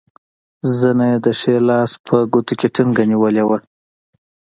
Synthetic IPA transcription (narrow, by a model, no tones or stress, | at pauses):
zənajed̪əʂelɑspʰəɡut̪ukʲeʈʰuŋɡaniwəlewə